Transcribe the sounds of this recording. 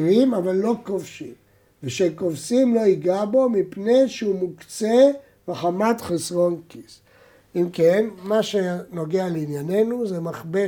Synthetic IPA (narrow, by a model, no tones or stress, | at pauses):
vimavalːo̞kovʃim | veʃekovsimlo̞iɡabomipnejʃeumukt͡se | veχamat̪χesʁonkis | imkenmaʃeno̞ɡealeinjane̞nuzemaχbe